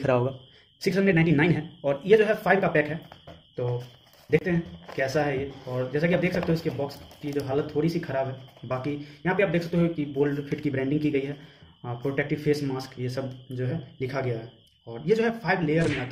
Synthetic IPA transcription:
kʰɐɾaɦoːɡaː | sɪksɦə̃nəeːɖnãɪɳʈinaːɪnɦɛɔːɾjed͡ʒoːɦɛfʰaːɪbkapɛːkɦɛt̪oː | d̪eːkʰt̪eɦɛ̃kɛːsaɦɛjeɔːɾd͡ʒɛːsakiaːbd̪eːksɐkt̪eɦuʊɪskebɔːkskid͡ʒoɦaːlət̪ʰːoːɾisixʰɐɾaːbɦɛbaːkijɐɦãpeaːb̚d̪eːkʰsɐkt̪eɦukiboːlfʰɪʈkibɾɛ̃ːɳɖɪ̃ŋɡkiɡɐiɦɛː | pɾoːʈɛːk̚ʈɪʋfʰeːsmaːskjesɐbd͡ʒoːɦɛlɪkʰaɡɐjaɦɛ | ɔːɾjed͡ʒoːɦɛpʰaːɪʋleːjəɾmẽaːt̪a

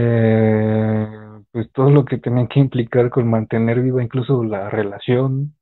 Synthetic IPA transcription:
e | pwe̞st̪oðoloket̪eniaŋkeimplikaɾkonmãnt̪e̞ne̞ɾβiβaiŋkluso̞lare̞lasjo̞n

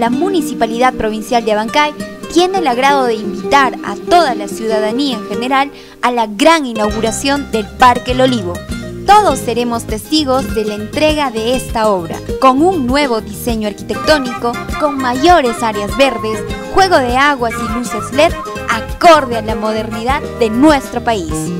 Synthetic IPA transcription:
lamunisipaliðað̚pɾo̞β̞insjald̪eaβaŋkajt̪je̞nelaɣɾaðo̞ðeimbit̪aɾa̰t̪o̞ðalasjuðaðaniaeŋxe̞ne̞ɾal | alaɣɾaŋinawɣuɾasjo̞nd̪e̞lpaɾkelo̞liβo̞ | t̪o̞ð̞o̞sːe̞ɾe̞mo̞st̪e̞st̪iɣo̞zðe̞laent̪ɾe̞ɣaðe̞est̪ao̞βɾa̰ko̞ŋuŋːwe̞β̞o̞ðise̞ɲoaɾkit̪e̞k̚t̪o̞niko̞koŋmaʝo̞ɾe̞saɾjazβe̞ɾðe̞sxwe̞ɣo̞ðe̞aɣwasiluse̞zlet̪ | ako̞ɾðealamo̞ð̞e̞ɾniðaðːe̞nwe̞st̪ɾo̞pais

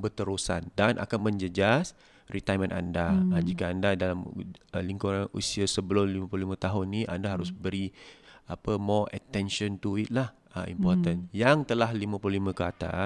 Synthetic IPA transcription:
bət̪əɾusa̰ndanʔa̰kanmə̃ɲd͡ʒəd͡ʒas | rit̪ajmə̃nʔa̰ndad͡ʒikaandadalaməliŋkuɾanṵsiasəbəlʊmlimãpluhlimə̃t̪aɦʊnːiʔa̰ndaɦaɾʊsbəɾiapəmɔə̰t̪ɛnʃɔnt̪uit̪̚lah | ə̰ḭmpɔrt̪ənjaŋt̪əlahlimə̃plʊhlimə̃kat̪a̰

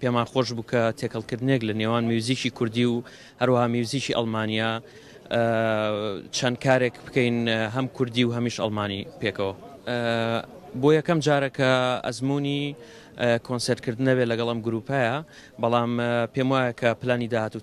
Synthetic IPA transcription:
peːmaːxoʃ̬buːkʰɐt̪ʰeːkʰɐlˠkɨɾd̪ɨneklɐneːwaːnmiwziːt͡ʃiːkʰʊɾd̪iw | hɐɾwɐhaːmiwziːt͡ʃiːʔɐ̰lˠmaːnija | t͡ʃʰɐnkʰaːɾekbɨkɐjnɦɐmkʰʊɾd̪iːwɦɐmiʃɐ̰lˠmaːnḭpekɐwɐ | bojɐkɐmd͡ʒaːɾɐkʰɐɐ̰zmuni | kʰoːnseɾt̪̚kʰɨɾd̪ɨnɐbelɐɡɐlˠʔɐmɡʊɾuːpaja | bɐlˠaːmpemwaːjɐkʰɐplaːnid̪aːhaːt̪u

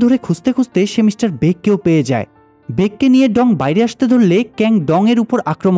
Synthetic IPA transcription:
d̪ʱoɾekʰud͡ʑt̪ekʰud͡ʑt̪eʃemiʃʈaɾbekːeopejed͡ʑa̰e | bekːenijeɖɔŋbajɾeaʃt̪ed̪ʱoɾlekɛŋɖɔŋeɾupoɾʔakɾom

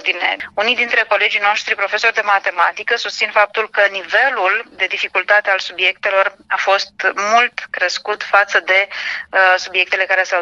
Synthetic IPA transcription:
d̪inḛunijd̪int̪ɾe̞ko̞le̞d͡ʒijno̞ʃt̪ɾipɾo̞fe̞so̞rd̪e̞mat̪e̞mat̪ikəsust̪sinfap̚t̪ulkənive̞luld̪e̞d̪ifikult̪at̪ealsubje̞k̚t̪e̞lo̞rafo̞st̪mult̪kɾeskut̪fat̪səd̪e̞əsubje̞k̚t̪e̞le̞kaɾe̞sa

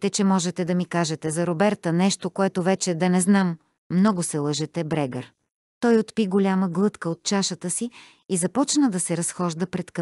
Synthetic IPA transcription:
t̪ɛt͡ʃɛmɔʒɛt̪ɛd̪ɐmikaʒɛt̪ɛzɐɾobɛɾt̪ənɛʃt̪okoɛt̪ovɛt͡ʃɛd̪ɐnɛznamː | nɔɡʊsɛlˠəʒɛt̪ɛbɾɛɡə̰ɾ | t̪ɔjot̪piɡolʲaməɡlˠɤt̪kəot̪̚t͡ʃaʃət̪əsi | izɐpɔt͡ʃnəd̪ɐsɛɾɐsxɔʒd̪əpɾɛt̪k

